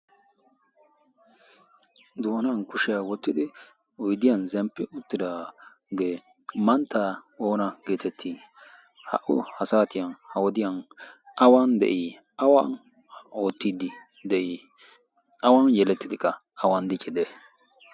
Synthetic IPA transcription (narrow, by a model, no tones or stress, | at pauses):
d̪oːnankʊʃɪjawɔt̪ːɪd̪ɪ | ɔjd̪ɪjɐnzɛmpːɪʊt̪ːɪd̪a | ɡeː | mɐnt̪ːaːo̞ːnɐɡeːt̪ɛt̪ʰːi | hɐ̰ʔʊ̰hɐsaːt̪ɪjɐnhɐwɔd̪ɪjɐnʔɐwɐnd̪ɛ̰ʔɪ | ɐwan | o̞ːt̪ːiːd̪ɪ | d̪ɛʔɪ | ɐwɐnjɛlɛt̪ːɪd̪ɪkːɐ | ɐwɐnd̪ɪt͡ʃʼːɪd̪ɛ